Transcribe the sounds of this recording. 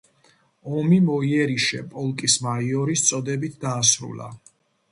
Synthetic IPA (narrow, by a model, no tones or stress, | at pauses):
ɔmimɔiɛɾiʃɛpʼɔlˠkʼismaiɔɾist̪sʼɔd̪ɛbit̪̚ʰd̪aːsɾṵla̰